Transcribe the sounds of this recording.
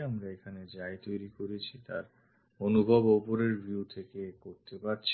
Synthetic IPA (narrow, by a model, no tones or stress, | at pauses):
amɾaekʰaned͡ʑaet̪ojɾikoɾet͡ɕʰit̪a̰ɾ | onubʱɔbopoɾeɾbʱiut̪ʰekekoɾt̪epaɾt͡ɕʰ